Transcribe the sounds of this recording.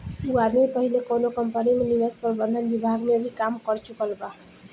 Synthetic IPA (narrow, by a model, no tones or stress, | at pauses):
uad̪mipəɦilekonokəmpənimenibespəɾbənd̪ʱənbibʱaɡmeəbʱikamkʌɾt͡ʃukəlba